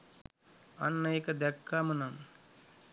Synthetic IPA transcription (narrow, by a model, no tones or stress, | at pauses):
ɐnːɐekəd̪ɛkːaːmənaŋ